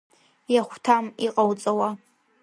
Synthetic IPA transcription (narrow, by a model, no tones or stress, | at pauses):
jaχʷtʰamiqʼawt͡sʼawa